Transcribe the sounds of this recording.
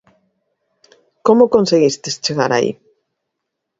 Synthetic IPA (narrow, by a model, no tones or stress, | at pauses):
komokonseɣist̪est͡ʃeɣaɾa̰ḭ